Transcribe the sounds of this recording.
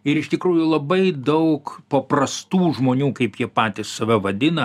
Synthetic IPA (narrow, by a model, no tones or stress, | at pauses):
ɪɾɪʃt̪ʲɪkɾuːjʊlˠɐbɐɪd̪ɐʊkpɐprɐst̪uːʒmoːnʲuːkɐɪpjiɛpɑːt̪ʲɪssɐʋʲɛʋɐd̪ʲɪnɐ